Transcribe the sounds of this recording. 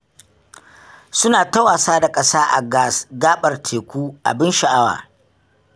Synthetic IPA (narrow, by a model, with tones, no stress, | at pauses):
sʊ˦naː˨tɐ˦waː˨saː˦da˨kʼɐ˦saː˦ʔa̰˨ɡaː˦ɓɐ˨rtʰeː˨kʷuː˦ʔa̰˨bɪ˦nʃa˨ʔa˦wa̰ː˨